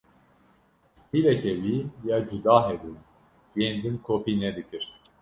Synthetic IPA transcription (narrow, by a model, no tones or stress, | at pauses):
st̪ʰiːlɛkʰɛwiːjaːd͡ʒud̪aːɦɛb̪un | jeːnd̪ɨnkʰoːpʰiːnɛd̪ɨkɨɾ